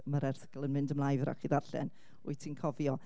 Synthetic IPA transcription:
maɾɛrθə̥ɡəlˠənmɪndəmlˠajvɾa̰χiðarɬɛ̰n | ujtʰiːnkʰɔvjɔ

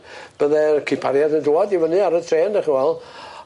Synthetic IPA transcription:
b̥əðɛkʰipʰaɾjadənduɔdivənɨaɾətʰreːndɛχiwɛlˠ

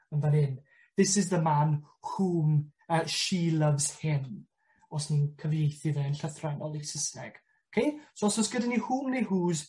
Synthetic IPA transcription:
ənvənɪn | ðɪsɪzðəman | huːməːʃilˠəvz̥hɪn | ɔsninkʰəvjejθiðɛənɬəθranɔlˠisɪsnɛɡ̥ | ɔkʰejsosɔsɡ̥ədanihuːmnejhuːz

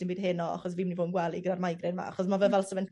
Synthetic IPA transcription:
sɪnbiːd̥ɦɪnɔa̰χɔsviːmnivoːdn̩ɡwɛlˠiɡədarmajɡrɪnma̰aχɔs̬mavɛvɛlˠsəvɛn

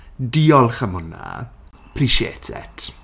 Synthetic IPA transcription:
diːɔlˠχəmʊna̰ | pʰriʃjḛːtʰɛ̰tʰ

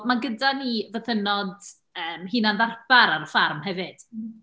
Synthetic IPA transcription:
maɡədanivəθənɔd | əːmhɨnanðarb̥aɾaɾəfarmhɛvɨd̥

